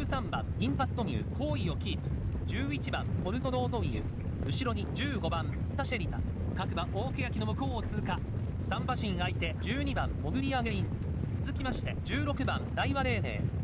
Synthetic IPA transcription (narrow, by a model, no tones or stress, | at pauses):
ɨːsãmbã̰ŋʲĩmpasɨ̥t̪o̞mʲiɯ̟̰kʰo̞ːio̞kʲiːt̪ɯ̥d͡ʑɨːit͡ɕibãmpo̞ɾɯ̟t̪o̞d̪o̞ːt̪o̞mʲiɯ̰ | ɯ̟ɕiɾo̞ɲ̟id͡ʑɨːɡo̞bãnsɨ̥t̪aɕeɾʲit̪a̰ | kakɯ̟bãʔo̞ːke̞jakʲino̞mɯ̟ko̞ːt͡sɨka | sãmbaɕĩɰait̪e̞d͡ʑɨːɲ̟ibãmo̞ɡɯ̟ɾʲiaɡe̞ĩn | t͡sɨzɨkʲimaɕi̥t̪e̞̰d͡ʑɨːɾo̞kɯ̟bãnd̪aiβaɾe̞ːne̞̰ː